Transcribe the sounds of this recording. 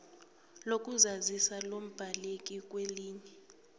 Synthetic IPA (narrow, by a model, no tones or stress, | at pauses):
lok̬ʼuzazisalom̩b̥ʱalek̬ʼik̬ʼweliːɲɛ